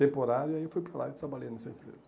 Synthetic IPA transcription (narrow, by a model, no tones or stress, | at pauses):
t̪ẽmpoɾaɾjʊiaiewfujpɾala̰dɪt̪ɾabaʎẽnɛsɐẽmpɾḛzɐ